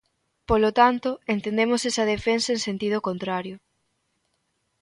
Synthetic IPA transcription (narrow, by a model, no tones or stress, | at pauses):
polot̪ant̪ʊent̪end̪emosesɐðefensɐeŋsent̪ið̞ʊkont̪ɾaɾjʊ